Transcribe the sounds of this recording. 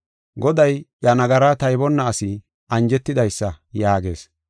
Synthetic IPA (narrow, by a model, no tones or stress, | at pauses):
ɡɔd̪ɐjjɐnɐɡɐɾat̪ɐjbɔnːɐːsɪ | ʔɐnd͡ʒɛt̪ːɪd̪ɐjsːɐjaːɡe̞̰ːs